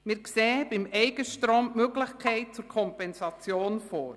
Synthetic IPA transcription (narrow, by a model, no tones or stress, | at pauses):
mɪɾkseːəbɪmɛɪɡəʃtɾoːmmøɡlɪxkʰɛɪt̚t͡suɾkʰɔmpɛnsɑt͡sjoːnfoːɾ